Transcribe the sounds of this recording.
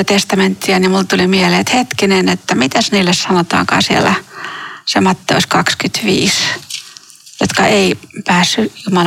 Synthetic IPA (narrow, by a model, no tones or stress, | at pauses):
t̪est̪ɑment̪ːiænjɑmult̪ulimieleːt̪het̪kinenet̪ːæmit̪æsniːlːessɑnot̪ɑ̰ːŋkɑ̰ːsiḛlːæ | semɑt̪ːḛuskɑkskyt̪ʋḭːs | jot̪kɑʔeipæːsːyjumɑl